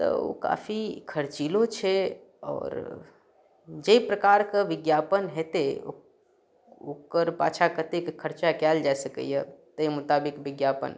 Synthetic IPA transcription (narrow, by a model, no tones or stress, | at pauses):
t̪ɔ̰o̰ka̰ːfʰikʰəɾt͡ʃiːlõt͡ʃʰe | ɔ̰ːɾ | d͡ʒəipɾəkaːɾkaʋɪɡjaːpənɦɛt̪eo̰ | okəɾpa̰ːt͡ʃʰakət̪ekekʰəɾt͡ʃakɛːld͡ʒasəkə̰jɛt̪əimʊt̪aːbɪkʋɪɡjaːpə̰n